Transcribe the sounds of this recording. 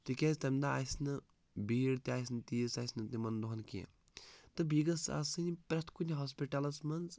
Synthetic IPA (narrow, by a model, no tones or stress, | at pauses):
t̪ikʲezʲt̪ɐmd̪aa̰jsnɨ | biːɽt̪iaːjsnɨt̪iːsajsnɨt̪imɐnd̪oɦɐnkḭ | t̪ɨbiːɡɐsa̰sɨnʲpɾɐst̪kunʲiɦoːs̬piʈɐlɐsmɐnz